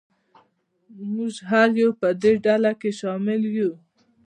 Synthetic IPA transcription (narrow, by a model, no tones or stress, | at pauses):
muʒɦaljupəd̪eɖalakeʃɑmɪlju